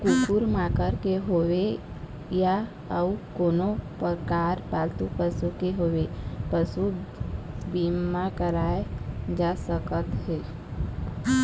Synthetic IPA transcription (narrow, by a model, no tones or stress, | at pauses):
kupuɾmakəɾkeɦowe | ja | əukoːnopəkaːɾpalt̪upəsukeɦowepəsu | bimakəɾaːed͡ʒasəkət̪ɦe